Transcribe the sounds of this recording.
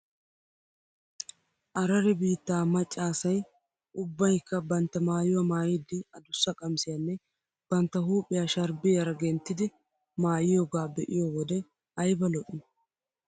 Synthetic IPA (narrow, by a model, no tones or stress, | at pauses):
ʔɐɾɐɾɛbiːt̪ːaːmɐt͡ʃʼːaːsɐj | ʔʊbːɐjkːɐbɐnt̪ːɐmaːjʊwɐmaːjɪd̪ːɪɐd̪ʊsːɐkʼɐmsɪjanːɛ | b̥ɐnt̪ːɐhuːpʼːɪjaːʃɐɾbɪjɐɾɐɡɛnt̪ːɪd̪ɪ | maːjɪjoːɡaːbɛʔɪjoːwɔd̪ɛ | ɐjbɐlɔʔɪnɐ